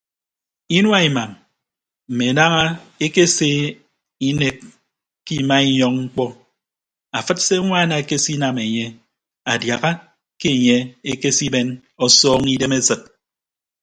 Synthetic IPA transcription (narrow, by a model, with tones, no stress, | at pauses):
i˦nwa˦i˨ma˨ŋ | m̩˨me˨na˦ŋa˦e˦ke˦seː˦ | i˦ne˦kː | kːi˦ma˦i˦ɲɔ˦ŋŋ͡m̩˦k͡pɔ˦ | a˨fɨ˦t̚se˦ŋʷaː˦˨na˨e˨ke˦si˦na˨me˨ɲe˦ | a˨dja˨ɣa˦ | ke˦e˨ɲe˦e˦ke˦si˦be˦n | ɔ˦sɔː˦ŋi˦de˦me˦sɨ˨t̚